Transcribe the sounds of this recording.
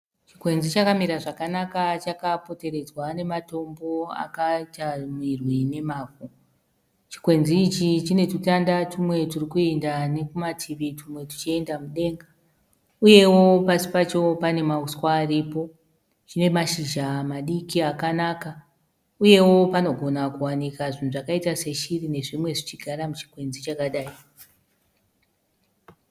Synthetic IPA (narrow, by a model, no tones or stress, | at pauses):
t͡ʃikwe̞nzit͡ʃakamiɾaʐakanakat͡ʃakapo̞te̞ɾe̞d͡zwane̞mato̞mbo̞a̰kat͡ʃamwirwine̞maːvo | t͡ʃi̥kwe̞nd͡zziːt͡ʃit͡ʃine̞tutandatumwe̞turikuendane̞kumatʰiʋitʰumwe̞tu̥t͡ʃie̞ndamuɗe̞ŋɡa | uje̞wo̞pasi̥pat͡ʃo̞pane̞mauskwaːripo̞ | t͡ʃine̞maʃiʒamaɗikiakanaka | uje̞wo̞pano̞ɡʱo̞nakuwanikaʐinuʐakaitase̞ʃirine̞ʐimwe̞ʐit͡ʃiɡʱaɾamut͡ʃi̥kwe̞nd͡zit͡ʃakaɗaːi